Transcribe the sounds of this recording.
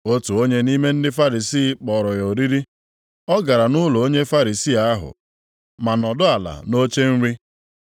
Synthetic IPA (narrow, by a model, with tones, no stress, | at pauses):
o˦tu˨o˦ɲe˦ni˦me˦n̩˦dɪ˦fa˦ɾi˨siː˦˨k͡pɔ˨ɾɔ˨jɔ˨ɾi˦ɾi˦ | ɔ˦ɡa˨ɾa˨nʊ˦lo˨o˦ɲe˦fa˦ɾi˨si˦a˦ɦʊ̰˨ | ma˨nɔ˨dʊ˦a˨la̰˨no˦t͡ʃe˦n̩˦ɾi˦